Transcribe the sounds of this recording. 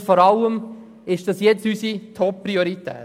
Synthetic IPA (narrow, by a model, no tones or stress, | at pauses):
fɔɾɑlːəm | ɪʃd̥ɑsjɛt͡sysitʰɔpːɾioɾit̪ɛ̰ː